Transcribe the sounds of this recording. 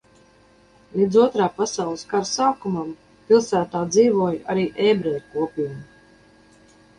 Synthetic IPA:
lʲiːd̪zuɔt̪ɾaːpasawlˠɨskaɾsaːkumam | pilˠsæːt̪aːd̪ziːvuɔjʔaɾiːʔɛːbɾɛɾʲkuɔpʲiːmu

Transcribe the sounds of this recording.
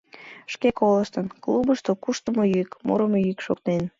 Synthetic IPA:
ʃkekoləʃt̪ənklubəʃt̪okuʃt̪əmojykmo̰ɾəmojykʃokt̪nen

